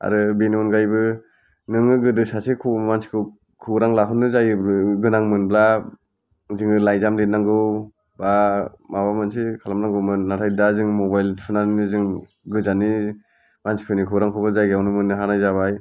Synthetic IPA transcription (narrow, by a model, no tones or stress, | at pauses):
a̰ɾɯbenimɔnɡajbɯ | nɯŋɯɡɯdɯsasikʰumansi̥kʰɯw | kʰɯɾaŋlaɦɯnːɯzajɯɡɯnaŋmɯnbla | zɯŋɯlajzamdenaŋɡɯw | bamabamɯnsikʰalamnaŋɡɯwmɯnatʰajdazɯŋmɔbajlpʰɯnaninizɯŋ | ɡɯzani | mansi̥pʰɯnikʰɯwɾaŋkʰɔbɯzajɡawnɯmɯnɯɦanajzaβaj